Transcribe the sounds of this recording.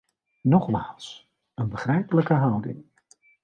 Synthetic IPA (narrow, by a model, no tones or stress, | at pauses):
nɔχmaːlˠs | ənbəχrɛjpələkəɦʌwdɪ̰ŋ